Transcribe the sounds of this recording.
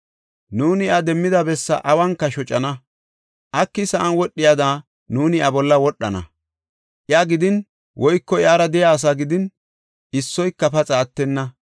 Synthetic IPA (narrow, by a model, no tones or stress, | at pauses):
nuːnɪɐd̪ɛmːɪd̪ɐbɛsːɐ̰ʔɐwɐŋkːɐʃɔt͡ʃʼɐnɐ | ʔɐkːɪsɐʔɐnwɔɗːɪjɐd̪aː | nuːnɪɐbɔlːɐwɔɗːɐnɐ̰ | ʔɪaɡɪd̪ɪn | wʔɔjkːɔjaːɾɐd̪ɛjaːs̬aːɡɪd̪ɪn | ɪsːɔjkːɐpɐt͡sʼaːt̪ːɛnːɐ